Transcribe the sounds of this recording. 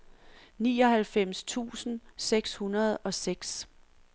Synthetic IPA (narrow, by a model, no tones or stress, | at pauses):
niːɒ̽ɦælfem̰st͡sʰṵːsn̩seɡ̥shunɐð̞ˠɒ̽seɡ̥s